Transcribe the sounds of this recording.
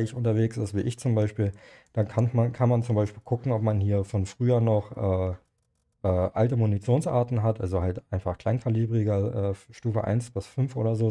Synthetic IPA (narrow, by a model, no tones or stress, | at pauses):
ɪçʊntɐveːksɪstv̥iːʔɪçt͡sʊmbaɪʃpiːld̥akʰanmankʰanmant͡sʊmbaɪʃpiːlkʰʊkŋ̩ɔpmanhiːɐfɔnfʁ̥yːɐnɔχʔɛː | ʔɛːʔaltəmunit͡sjoːnsʔa̰ːɐtn̩ɦatʔalzohaltʔaɪnfaχkl̥aɪnkʰaliːbʁɪɡɐʔɛːʃtuːfə̰ʔa̰ɪnsb̥ɪsfʏnfʔoːdɐzoː